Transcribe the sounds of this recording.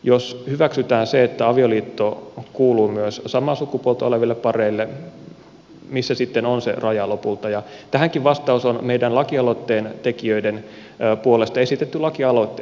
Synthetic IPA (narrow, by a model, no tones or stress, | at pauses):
joshyʋæksyt̪æːnseet̪ːæɑʋioliːt̪ːokuːluːmyøssɑmɑsukːupuolt̪ɑoleʋilːeppɑreilːe | misːæsit̪ːenonsḛrɑjɑlopult̪ɑjɑt̪æhæŋkiʋʋɑst̪ɑusonmeidænlɑkiɑlot̪ːeːnt̪ekiøiden | puolest̪ɑesit̪et̪ːylɑkiɑlot̪ːe